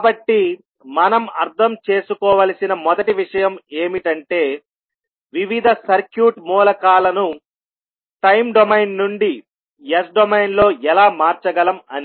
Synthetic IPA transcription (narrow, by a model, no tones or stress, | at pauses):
kabɐʈːi | mɐnɐmɐɾt̪ʰɐmt͡ʃe̞ːsukɔːʋɐlɐsinɐmɔd̪ɐʈiʋiʂɐjɐme̞ːmiʈɐɳʈe̞ː | ʋiʋid̪ʱɐsɐɾkjuːʈmuːlɐkaːlɐnu | ʈɐjmɖomɐjnnuɳɖi | es̬ɖomɐjnlo̞ːʔɛlaːmaːɾt͡ʃɐɡɐlɐmɐni